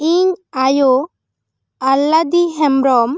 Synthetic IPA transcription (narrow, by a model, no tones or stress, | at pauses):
iɲajo | alːad̪iɦɛmɾɔm